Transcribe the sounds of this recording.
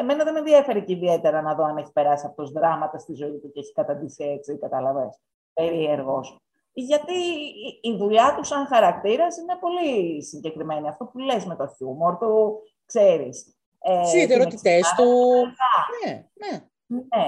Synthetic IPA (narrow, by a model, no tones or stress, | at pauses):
eme̞nɐðenenðiɐfe̞ɾeceiðie̞t̪e̞ɾɐnɐðo̞ɐneçi̥pe̞ɾɐsiɐpo̥t̪ozðɾɐmɐt̪ɐst̪izo̞it̪uceeçi̥kɐt̪ɐnd̪isiet͡sikɐt̪ɐlɐves | pe̞ɾie̞ɾɣo̞s | ʝɐt̪iː | vuʎɐt̪usɐŋxɐɾɐk̚t̪iɾɐsine̞po̞lisiɲɟe̞kɾime̞niɐft̪o̞pule̞zme̞t̪o̞çumoɾt̪u | kse̞ɾis | eðeɾot̪it̪est̪uɣɐnene | ne